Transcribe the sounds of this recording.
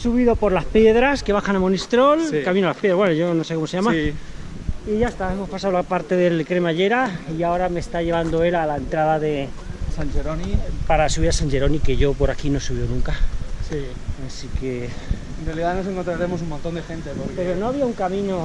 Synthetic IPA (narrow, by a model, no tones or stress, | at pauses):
suβiðo̞po̞ɾlaspje̞ðɾaske̞βaxanamonist̪ɾo̞lkamĩnolapjeðɾaβwenoʝo̞nosekomoseʝama | iʝaest̪ae̞mo̞spasaolapaɾt̪e̞ðe̞lkɾe̞maʝe̞ɾaiao̞ɾamest̪aʎe̞β̞and̪o̞e̞lalaent̪ɾaðaðe̞sanʝeɾonipaɾasuβiɾasanʝe̞ɾo̞nike̞ʝo̞po̞ɾakino̞suβjonũŋkasi | asike̞ | enrealiðano̞se̞ŋkont̪ɾaɾe̞mo̞s̬umõnt̪o̞nd̪exẽ̞nt̪epoɾpe̞ɾono̞aβiauŋkamĩno̞